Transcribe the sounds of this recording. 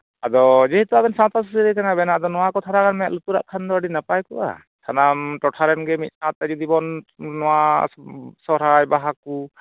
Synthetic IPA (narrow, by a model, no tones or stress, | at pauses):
ad̪ɔd͡ʒɛɦit̪ɔabɛnsãt̪as̬usiɾɛkanabɛnaʔd̪ɔnɔwakɔt̪ʰaɾakanmɛjaʔlut̪uɾa̰ʔkʰand̪ɔaɖinapajkɔʔa̰ | t̪ʰanamʈɔʈʰaɾɛnɡɛmit̪̚sãt̪ad͡ʒɔd̪ibɔnːɔwa | sɔɾajbaɦaku